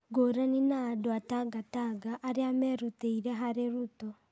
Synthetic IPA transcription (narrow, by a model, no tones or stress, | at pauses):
ɡoɾaninaːdoataɡataɡaʔːɾeamɛɾuteiɾɛɦaɾeɾutɔ